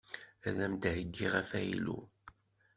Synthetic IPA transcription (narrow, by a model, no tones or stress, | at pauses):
ælæmd̪həɡːiʁæfæjḭlṵ